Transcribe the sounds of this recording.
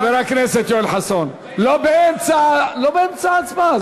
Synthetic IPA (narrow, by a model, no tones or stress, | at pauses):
beɾakneset̪jolħason | lobeent͡salobeemt͡saat͡sma